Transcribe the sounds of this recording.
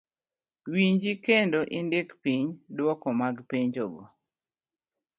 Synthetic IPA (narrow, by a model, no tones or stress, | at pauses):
wiɲd͡ʒikendoʔindekpiɲdwɔkɔmaɡpiɲd͡ʒoɡɔ